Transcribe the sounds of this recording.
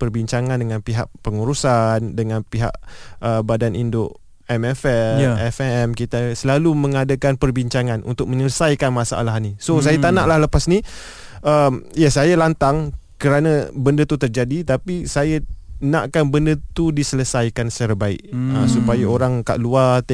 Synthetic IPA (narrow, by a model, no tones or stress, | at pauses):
pərbiɲt͡ʃaŋandəŋanpiɦa̰ʔpəŋuɾusandəŋãnpiɦa̰ʔəbadanʔindoʔ | ɛmɛfɛɛfɛɛmkit̪asəlalumə̃ŋadakanpərbiɲt͡ʃaŋãnʔṵnt̪ʊk̚məɲələsajkanmasa̰ʔa̰lahnisosajat̪anaʔlahləpasni | ʔəmjasajalant̪aŋkəɾanabəndət̪ut̪ərd͡ʒadit̪apisajanãʔkanbəndət̪udisələsajkansə̥t͡ʃaɾabaɪ̰ʔəsupajaoɾaŋka̰ʔluat̪